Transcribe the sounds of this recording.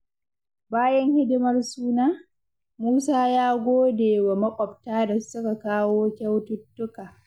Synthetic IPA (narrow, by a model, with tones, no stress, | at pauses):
baː˦jɐ˦ŋhɪ˦dɪ˦mɐ˦rsuː˦naː˦ | muː˦saː˦jaː˦ɡʷoː˦deː˨wa˨mɐ˦kʷʼɔ˨btaː˦da˨sʊ˦ka˨kaː˦woː˦kʲa˦wtʊ˦tːʊ˦kaː˨